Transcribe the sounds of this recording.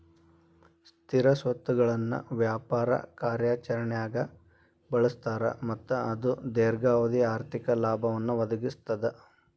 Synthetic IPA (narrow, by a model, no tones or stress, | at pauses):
st̪ʰiɾɐsʋɐt̪ːuɡɐɭɐnːṵʋjaːpaːɾɐ̰kaːɾjaːt͡ʃɐɾɐɳɛjaːɡɐ | bɐɭust̪aːɾɐ̰mɐt̪ːuɐd̪ud̪eːɾɡaːʋɐd̪iaːɾt̪ʰikɐlaːbʱɐʋɐnːuʋɐd̪ɐɡist̪ɐd̪e